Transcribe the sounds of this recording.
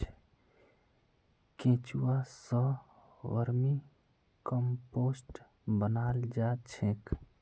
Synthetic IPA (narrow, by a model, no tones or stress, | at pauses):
ket͡ʃuwasə | ʋəɾmi | kəmpoːsʈ | bənaːld͡ʒaːt͡ʃʰẽk